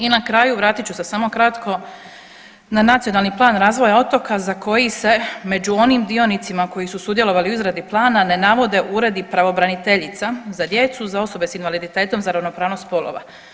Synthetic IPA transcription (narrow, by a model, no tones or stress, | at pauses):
inakɾaːjuʋɾaːt̪it͡ɕusesamo̞kɾat̪kʰo̞ | nanat̪sijo̞nalˠniplˠaːnɾaːzʋo̞jao̞t̪o̞kazako̞jise̞me̞d͡ʑuo̞niːmd̪io̞nit̪simako̞jisusud̪je̞lo̞ʋaliuizɾed̪iplˠaːnane̞naʋo̞d̪e̞ʔuɾe̞d̪ipɾaʋo̞bɾanit̪e̞ʎit̪sazad̪je̞t̪suzao̞so̞be̞sinʋalid̪it̪e̞ːt̪o̞mzaɾaʋno̞pɾaːʋnost̪po̞lo̰ʋa̰